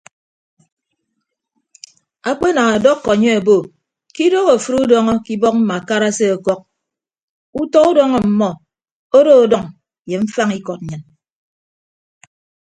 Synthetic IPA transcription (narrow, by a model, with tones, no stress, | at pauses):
a˦˨k͡pe˦na˨ŋa˨dɔ˦kːɔ˨ɲe˦a˨bo˨ | ki˦do˦ɣo˨fu˦ɾu˦dɔ˦ŋɔ˦ki˦bɔ˦k̚m̩˦ma˨ka˦ɾa˦se˦a˨kɔ˦k̚ | u˦tɔ˦u˦dɔ˦ŋɔ˨m̩˨mɔ˦ | o˦ɾo˦o˨dɔ˨ŋ | je˨ɱ̩˦fa˦ŋi˦kɔ˨t̚ɲɨ˨n